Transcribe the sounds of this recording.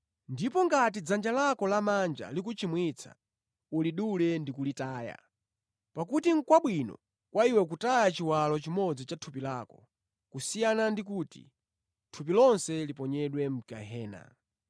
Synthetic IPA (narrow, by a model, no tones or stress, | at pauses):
ndipɔŋɡatid͡zand͡ʒalakɔlamand͡ʒa̰likut͡ʃimwit͡sʰa̰ | uliɗulɛndikulitaːja̰ | pakutiŋ̩kwaɓwinɔ̰ | kwaiwɛk̬utajat͡ʃiwalɔt͡ʃimɔd͡zit͡ʃatʰupilaːkɔ | kusijanandik̬uːtḭ | tʰup̬ilɔnsɛlipɔɲɛɗwɛm̩ka̰ɦɛːna̰